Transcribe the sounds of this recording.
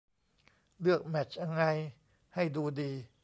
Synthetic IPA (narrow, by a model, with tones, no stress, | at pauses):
lɯ˥˩ək̚mɛ˨˩t͡ɕʔa˧ŋːa˧j | ha˥˩jduː˧diː˧